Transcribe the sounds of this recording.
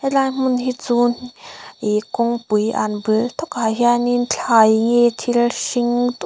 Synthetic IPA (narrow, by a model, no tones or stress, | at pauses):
elajm̥unhit͡sunʔikɔŋpujʔa̰nbɯlt̪ʰɔkhaɦianint͡ɬʰajŋet̪ʰilʃiŋt̪